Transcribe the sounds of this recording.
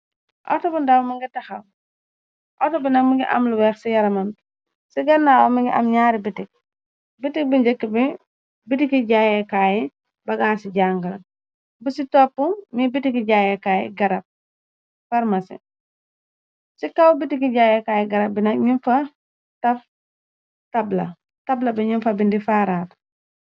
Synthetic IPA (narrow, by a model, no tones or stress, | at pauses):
ʔɔ̰tɔbundawmɐŋɡitɐxɐw | ʔɔtɔbinɐk̚miŋɡiʔɐ̰mluwɛːxsijɐɾɐmɐn | siɡɐnːaːwomiŋɡiʔɐ̰mɲaːɾibitik̚ | bitik̚biɲd͡ʒəkːibi | bitikiɟajɛkaːji | bɐɡaːnsiɟaːŋɡɐl | busitɔːpːumibitikiɟaːjɛkaːjḭɡɐɾɐp̚ | fɐɾmɐsḭ | sikawbitikiɟaːjɛkaːjiɡɐɾɐp̚binɐk̚ɲinfɐ | tɐf | tɐblɐ̰ | tɐblɐbiɲinfɐbindifaːɾaːt